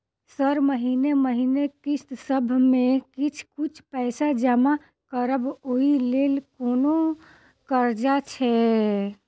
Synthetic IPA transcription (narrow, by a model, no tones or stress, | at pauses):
səɾməɦineməɦinekist̪səbʱmekit͡ʃʰkut͡ʃʰpɛɪsad͡ʒəma | kəɾəboilelkono | kəɾd͡ʒat͡ʃʰɛ